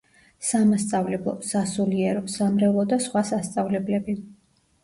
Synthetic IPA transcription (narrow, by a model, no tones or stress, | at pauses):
samast̪sʼavlɛblˠɔ̰sasuliɛɾɔsamɾɛlˠɔd̪asχwasast̪sʼavlɛblɛbi